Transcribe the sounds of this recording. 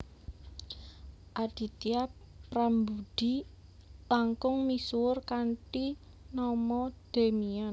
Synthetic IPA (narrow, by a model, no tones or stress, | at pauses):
ʔad̪̥i̤t̪ia | pɾambud̥i̤ | laŋkʊŋmisurkaɳʈi | nɔmɔd̪̥e̤mian